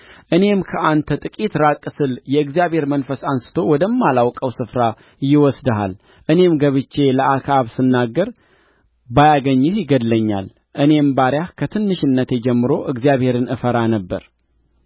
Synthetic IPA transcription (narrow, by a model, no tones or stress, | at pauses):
ʔɨne̞mkʰəʔant̪ʰət̪ʼɨkʼit̪ɾakʼːɨsɨljɛɨɡzijaβhe̞ɾmənfəsansɨ̥t̪ʰo̞wɔd̪əmːalawkʼəwsɨfɾa | jɪwɔsd̪əɦa̰l | ʔɨne̞mɡəβɨt͡ʃːe̞ləakʰaβsɨnːaɡːəɾ | bajaɡəɲːɛhjɪɡəd̪ləɲːa̰l | ʔɨne̞mbaɾjahkʰət̪ʰɨnːɨʃɪnːət̪jɛd͡ʒɛmːɨɾo̞ʔɨɡzijaβhe̞ɾɨnɨfəɾanəbːə̰ɾ